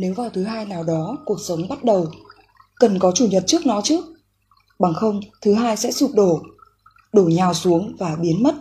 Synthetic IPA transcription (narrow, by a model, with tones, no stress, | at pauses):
ne˨˦wvaː˨˩wt̪ʰɨ˨˦ɦaː˧jnaː˨˩wɗɔ˨˦ku˨˩ək̚sə˨˦wŋ͡mɓa˦˥t̚ɗə˨˩w | kə˨˩nkɔ˨˦t͡ɕu˧˩ɲə˨˩t̚t͡ɕɨ˦˥ək̚nɔ˨˦t͡ɕɨ˦˥ək̚ | ɓa˨˩ŋxə˧wŋ͡mt̪ʰɨ˨˦ɦaː˧jsɛ̰˧˥su˨˩p̚ɗo˧˩ | ɗo˧˩ɲaː˨˩wsu˨˦əŋvaː˨˩ɓi˨˦ənmə˦˥t̚